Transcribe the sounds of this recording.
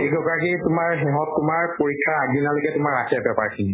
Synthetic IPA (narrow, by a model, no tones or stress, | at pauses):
eɡɔkɔakitʊmaɹɦɛɦɔttʊmaɹpoɹikʰːaɹaɡinalokɛtʊmaɹːakʰɛbɛpaɹkʰinɛ